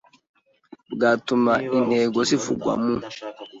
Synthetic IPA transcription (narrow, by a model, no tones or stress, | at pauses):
ɡatumaineɡosifuɡwa̰mːu